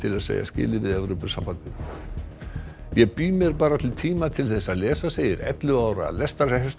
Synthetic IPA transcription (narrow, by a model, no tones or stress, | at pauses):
t̪ʰɪlaðsḛːja̰scɪ̰ːlɪvɪðɛvɾʏpʏ̥sampant̪ɪ | jɛpiːmɛɾpaːɾat̪ʰɪlt̪ʰiːmat̪ʰɪlθɛsːaðlɛːsaseːjɪɾɛ̰t̪lʏaːwɾa̰lɛst̪aɾ̥ɛɦɛst̪